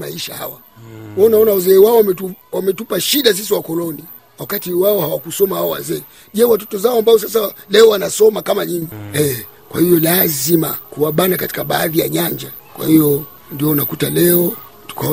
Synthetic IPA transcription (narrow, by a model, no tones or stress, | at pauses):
maiʃa̰ha̰wa | waunaɔnawazɛːwaɔwamɛuwamɛtupaʃiɗas̬is̬iwakɔlɔni | wakatiwaɔhawakusɔmahawawa̰zɛː | ʄɛwatɔ̥tɔzaɔambaɔs̬as̬alɛɔwanasɔmakamaɲiŋɡiɛ | kwa̰hijɔlazima̰kuwaɓanakati̥kaɓaːðija̰ɲaɲd͡ʒa | kwa̰hijɔ | ndiɔnakutalɛɔ | tu̥ka